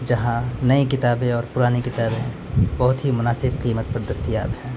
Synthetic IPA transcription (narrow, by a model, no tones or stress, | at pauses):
d͡ʒɐɦãnɐikɪt̪aːbẽɔːɾpʊɾaːnikɪt̪aːbẽ | bɐɦʊt̪ɦimʊnaːsɪb̚qiːmət̪̚pɐɾd̪ɐst̪ija̰ːbɦɛ̃ː